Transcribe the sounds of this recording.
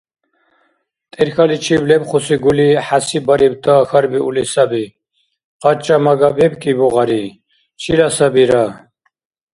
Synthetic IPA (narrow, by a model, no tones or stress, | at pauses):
t̪ʼɛɾxalit͡ʃʰiblɛpχɔsiɡuliħasibaɾib̚t̪ʰaxaɾbiulisabi | qʼat͡ʃʼamaɡabɛbkʼibɔʁaɾi | t͡ʃʰilasabiɾa